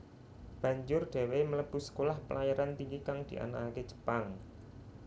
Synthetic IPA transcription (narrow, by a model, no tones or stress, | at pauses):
b̥ä̤ɲd͡ʒʊrɖ̪̥e̤wemələb̥ʊ̤sə̥kolahpəlajaɾant̪iŋɡikaŋd̪̥iʔa̰naake̥d͡ʒ̥ə̤̥paŋ